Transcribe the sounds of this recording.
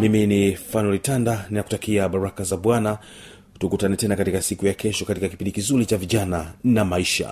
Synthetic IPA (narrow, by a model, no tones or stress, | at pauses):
miminifanɔlitandaninaku̥takiaɓaɾakazaɓwana | tukutanɛtɛnakatikasikujakɛʃɔkatikakipindikizuɾit͡ʃaviʄananamaiʃa̰